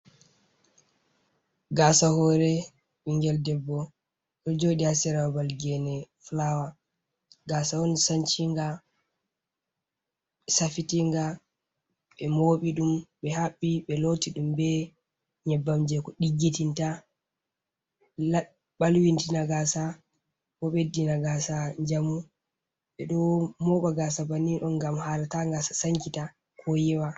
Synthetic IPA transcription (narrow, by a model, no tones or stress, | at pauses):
ɡasahɔɾɛ | ʔiŋɡɛldɛbːɔ | ɛd͡ʒoɗiasɛɾawbalɡɛnɛflawa | ɡasawɔnsant͡ʃiŋɡa | ɛsafitiŋɡa | ɓɛmoːɓiɗumɓɛhaɓːiɓɛlotiɗumbɛ | ɲɛbːamd͡ʒɛkɔɗiɡːitinta | a | ɓalwintinaɡasa | bɔɓɛdinaɡasaɲd͡ʒamu | ɓɛɗɔmɔɓaɡasabaniɗɔnɡamhalataŋɡasḁsaŋkita | kʰɔjɛwa